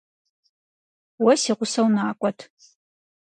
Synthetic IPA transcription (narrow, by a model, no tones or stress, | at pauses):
wɐsiʁʷʊsɐwnaːkʷʼɔtʰ